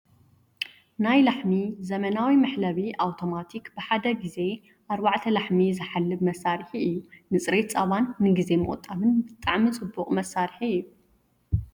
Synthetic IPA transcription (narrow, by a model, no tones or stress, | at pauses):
najlaħmizɐmɐnawimɐħlɐβiʔawt̪ʰomat̪ʰikbɨħad̪ɐɡize̞ | ʔaɾbaʕt̪ʰɐlaħmizɨħalːɨbmɐsːaɾħiɨjːunɨt͡sʼɾe̞t̪t͡sʼɐβanːɨɡize̞mɨʔʼɔ̰t̪ʼːaβɨnbɨt̪ʼːaʕmit͡sʼɨbːuχʼmɐsːaɾħiɨjːu